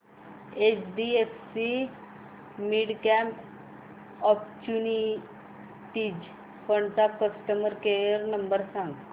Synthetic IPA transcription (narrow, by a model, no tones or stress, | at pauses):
et͡ɕɖiefsi | miɽkæ̃mp | ɔp̚t͡ɕuni | ʈid͡ʑ | fəɳɖt̪akəsʈəməɾkejəɾnəmbəɾsãŋɡ